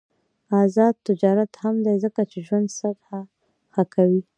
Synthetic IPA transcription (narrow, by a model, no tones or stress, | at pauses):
azɑd̪̚t̪ɪd͡ʒɑɾat̪hamd̪ajzəkat͡ʃeʒwand̪sad̪ha | xakawi